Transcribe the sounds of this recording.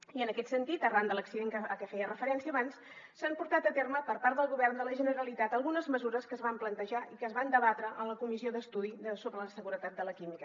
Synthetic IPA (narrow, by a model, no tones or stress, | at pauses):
iənəkɛt̪sənt̪it̪ərand̪ələksiðeŋkəəkɛfɛjərəfəɾɛnsiəːβansː | ampuɾt̪at̪ət̪erməpəɾpaɾt̪d̪əlˠɣuβɛrnd̪ələʒənəɾəlit̪at̪əlˠɣunəzməzuɾəskəːzβamplənt̪əʒaikəzβand̪əβat̪ɾəʔənləkumisioðəst̪uðiðəsoβɾələsəɣuɾət̪at̪̚d̪ələkimikə